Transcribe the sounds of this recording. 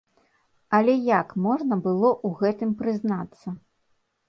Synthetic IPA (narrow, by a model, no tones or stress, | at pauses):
ɐlʲɛjakmɔʐnɐbɨlˠɔʔuɣɛt̪ɨmpɾɨznat̪sːɐ